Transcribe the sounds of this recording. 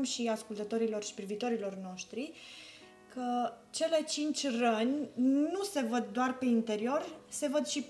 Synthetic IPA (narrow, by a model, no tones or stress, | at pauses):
mʃiaskult̪ət̪o̞ɾilo̞rʃi̥pɾiviːt̪o̞ɾilo̞rno̞ʃt̪ɾi | kʰə | t͡ʃe̞le̞t͡ʃint͡ʃʲrənʲnuse̞vəd̪̚ːoarpe̞int̪e̞ɾio̞rse̞vəd̪ʃip